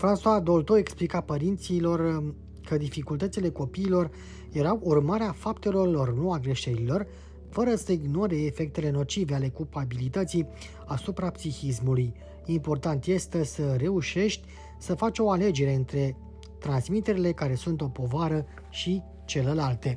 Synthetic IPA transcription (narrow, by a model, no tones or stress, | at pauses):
fɾansuad̪o̞lt̪oe̞ksplikapəɾint̪silo̞r | kəd̪ifikult̪ət̪sile̞ko̞piːlo̞r | je̞ɾawʔurmaɾeafapt̪e̞lo̞rlo̞rnuaɡɾe̞ʃeɾilo̞r | fəɾəsəiɡno̞ɾe̞ːfe̞k̚t̪e̞le̞no̞t͡ʃive̞ale̞kulpabilit̪ət̪si | asupɾapsixis̬muluj | impo̞rt̪ant̪je̞st̪e̞səɾe̞uʃe̞ʃt̪ʲ | səfat͡ʃʲo̞ale̞d͡ʒe̞ɾe̞ɨnt̪ɾe̞ | t̪ɾansmit̪e̞ɾile̞kaɾe̞sunt̪o̞po̞vaɾə | ʃi | t͡ʃe̞lelalt̪e̞